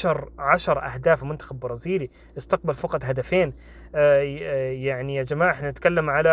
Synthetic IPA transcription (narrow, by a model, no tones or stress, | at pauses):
ʃɑɾˤʕaʃɑɾˤʔa̰hd̪aːfmʊnt̪axabːbɑɾˤɑːziːli | ʔɪst̪aq̚balfɑqɑt̪ˤɦad̪afeːn | jaʕnijad͡ʒamaːʕʔɪħnanɪt̪kalːamʕala